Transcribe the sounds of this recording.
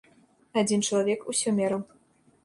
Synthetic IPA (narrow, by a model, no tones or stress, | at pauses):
ad͡zʲint͡ʃlˠavʲɛkusʲɔmʲeɾə